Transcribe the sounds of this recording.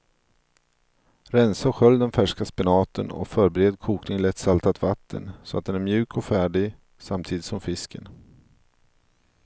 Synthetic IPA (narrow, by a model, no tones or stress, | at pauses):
ɾɛnsaɧœlːd̪ɛnfæʂkaspɪnɑːt̪ʰənɔ̰fœːɾbɛɾeːd̪kʰuːknɪŋlɛt̪salt̪ʰat̪vat̪ʰːə̰nsɔa̰t̪̚d̪ɛnæɾmjʉ̟ːkʰɔfæːɖɪɡ | samt̪ʰiːd̪ɪt̪sɔmfɪskən